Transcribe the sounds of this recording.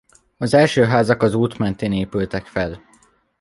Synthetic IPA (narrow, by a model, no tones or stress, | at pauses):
ɒzɛlʃøːɦaːzɒkɒzuːt̪mɛnt̪eːneːpylt̪ɛkfɛl